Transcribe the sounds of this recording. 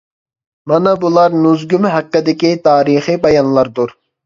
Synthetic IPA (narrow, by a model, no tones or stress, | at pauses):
mɑnɑbulˠɑɾnuzɡʲymɦæqːɪd̪ɪkʲit̪ʰɑːɾiχibɑjɑnlˠɑɾd̪uɾ